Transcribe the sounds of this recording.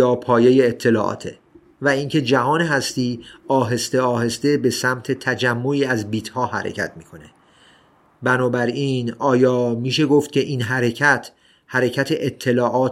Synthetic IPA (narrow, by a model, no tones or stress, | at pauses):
jɒːpʰɒːje̞jeːt̪ʰːe̞lɒ̰ːʔɒ̰ːt̪ʰḛ | væiːncʰe̞d͡ʒæɦɒːneɦæst̪iːɒːɦe̞st̪e̞ɒːhe̞st̪e̞be̞sæmt̪ʰe̞t̪ʰæd͡ʒæmːoiːæzbiːt̪ʰhɒːɦæ̰ɾḛcʰæ̰t̪ʰmiːkʰo̞ne̞ | bænɒːbæɾiːnɒːjɒːmiːʃe̞ɡoft̪̚cʲʰe̞ʔiːnɦæɾe̞cʰæt̪ʰ | hæɾe̞cʰæt̪ʰeʔet̪ʰːe̞lɒːʔɒːt̪